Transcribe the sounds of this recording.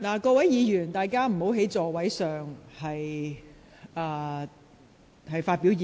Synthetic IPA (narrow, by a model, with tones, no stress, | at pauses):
laː˨˩kɔː˧wɐ˨˥jjiː˨˧jyː˨˩nt̪aː˨jkaː˥m̩˨˩ho˨˥wɦe˨˥jt͡sɔː˨wɐ˨˥jsœː˨ŋhɐ˨j | ʔaː˨˧ | hɐ˨jfaː˧t̚pi˨˥wjiː˨˧